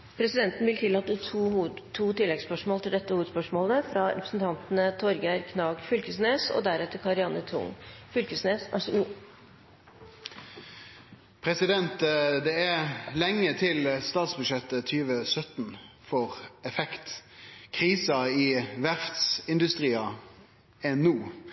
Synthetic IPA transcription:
pʰɾɛsɪd̪ɛnt̪n̩ʋɪlt̪ʰɪlːɑːt̪ət̪ʰuːt̪ʰːuːt̪ɪlːɛɡspœʂmoːlt̪ɪld̪ɛt̪ːəhuʋəd̪spœʂmoːləfɾɑɾɛpɾəsn̩t̪ʰɑnt̪ənət̪ʰɔɾɡæɾkʰnɑːɡfʏlkəsneːsɔ̰d̪æɾɛt̪ːəɾkʰɑɾɪɑnət̪ʰʊ̰ŋfʏlkəsneːsʔɑ̰ʂu | pʰɾɛsɪd̪ɛnt̪d̪ɛælɛŋːət̪ʰɪlst̪ɑːt̪sbʉd̪ʂɛt̪ːət̪ʰyːʋəsœt̪n | fɔʁɛfɛkt̪kʰʁiːsɑɪʋæʁft̪sɪnd̪ʉst̪ʁiːɑ | ɛnuː

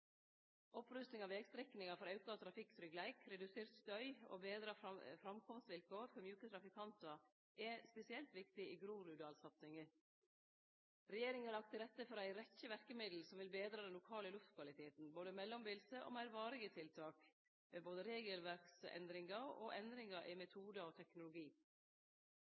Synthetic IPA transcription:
ʔɔpɾʉst̪nɪŋɑʋɛːɡst̪ɾɛknɪŋɑfɔɾɑʉkɑɑt̪ʰɾɑfɪksɾʏɡlæɪkʰɾɛd̪ʉseːɾt̪st̪œʏo̰ːbeːd̪ɾɑfɾɑmkʰɔmst̪ʋɪlkʰoːɾfɔɾmjʉːkət̪ʰɾɑfɪkʰɑnt̪ɑ | ʔɛspɛsɪɛlt̪ʋɪkt̪ɪiːɡɾuːɾʉd̪ɑːlsɑt̪sɪŋə | ɾɛjeːɾɪŋəɑlɑk̚t̪ʰəɾɛt̪ːəfɔɾæɪɾɛçːəʋæɾkəmɪd̪l̩sɔmʋɪlbeːd̪ɾɑːd̪ɛnlʊkʰɑːləlʉft̪kʰʋɑlɪt̪ʰeːt̪n̩boːd̪əmɛlːɔmbɪlsəʔo̰ːmæɪɾʋɑːɾɪɡət̪ʰɪlt̪ʰɑːk | meboːd̪əɾeːɡəlʋæɾksɛ̰nd̪ɾɪŋɑo̰ːʔɛnd̪ɾɪŋɑʔɪmɛt̪ʰuːd̪ɑɔːt̪ʰɛknʊlʊɡiː

